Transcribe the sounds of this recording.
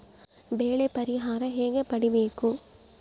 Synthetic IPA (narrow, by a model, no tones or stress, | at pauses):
beːlɐpɐɾɪɦaːɾɐ̃ɦeːŋɡɐpɐɽɪʋeːkːũ